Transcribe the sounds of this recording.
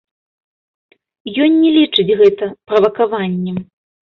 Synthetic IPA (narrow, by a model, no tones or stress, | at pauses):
jɔnʲːɛlʲit͡ʂɨd͡zʲɣɛt̪ɐpɾɐvɐkavanʲːɛm